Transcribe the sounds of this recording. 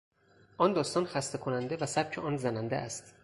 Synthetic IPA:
ʔɒnd̪ɒːst̪ɒːnxæst̪e̞kʰonænd̪evæsæb̥̚cʰeʔɒːnzænænd̪ḛʔæst̪

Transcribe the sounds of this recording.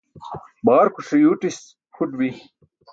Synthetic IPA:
baːɾkuʂɐjuːʈis | kʰuʈbi

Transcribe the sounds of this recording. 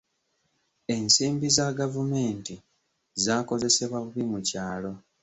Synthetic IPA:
e̞nsiːmbizaɡavume̞ːnti | zaːko̞ze̞se̞βwaβuβimucaːlo̞

